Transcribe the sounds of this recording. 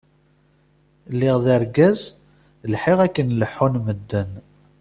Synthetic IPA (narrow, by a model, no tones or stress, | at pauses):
lːɪʁðəɾɡæz | lħɪʁækːənləħːʊnməd̪ːən